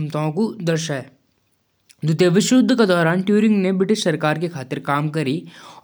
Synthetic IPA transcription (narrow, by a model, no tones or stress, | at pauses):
mt̪aõkud̪ɐɾʃaɦɛ | d̪ʊt̪jəʋɪʃɾʊd̪ʱːked̪ɔːɾaːnʈjuːɾɪ̃ŋɡnebɾɪʈɪʃsɐɾkaːɾkekʰaːt̪ɪɾkaːmkɐɾi